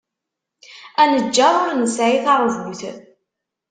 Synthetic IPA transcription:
ænəd͡ʒːæʊɾnəsʕiθaɾˤvuθ

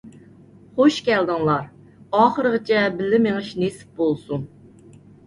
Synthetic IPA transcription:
χoʃkʲɛld̪ɨŋlˠɑɾ | ɑːχəɾəʁət͡ʃʰɛbɪlːɪmeŋɨʃnesɪ̥p̚bolˠsun

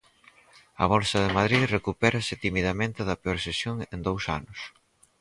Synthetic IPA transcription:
ɐ̰βɔlsɐðemað̞ɾirekupɛɾɐsɪt̪imiðɐmẽnt̪ɪðɐpeɔɾsesjoŋend̪owsa̰nʊs

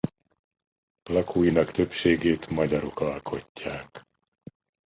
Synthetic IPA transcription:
lɒkʰuːjinɒkt̪ø̞pʃeːɡeːt̪mɒɟɒɾo̞kɒlkʰo̞cːaːk

